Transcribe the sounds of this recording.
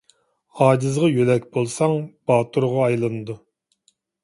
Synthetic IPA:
ɑːd͡ʒɨzʁɑjølɛkʲbolˠsɑŋb̥ɑːt̪ʰuɾʁɑɑjlˠɨnɨd̪u

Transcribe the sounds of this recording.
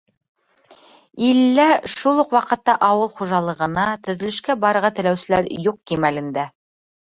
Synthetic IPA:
ilːæʃulˠuqwɑqɤ̆t̪ːɑʔɑwɤlˠχuʒɑlˠɤ̆ʁɤ̆nɑt̪ɵ̆ðɵ̆lɵ̆ʃkæbɑɾɤ̆ɾʁɑt̪ɘ̆læwsɘ̆læɾjuq̚kimælɘ̆nd̪æ

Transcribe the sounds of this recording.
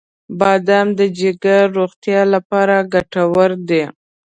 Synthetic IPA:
bɑd̪amd̪əd͡ʒeɡaɾoɣt̪jɑlapɑɾaɡaʈawəɾd̪e

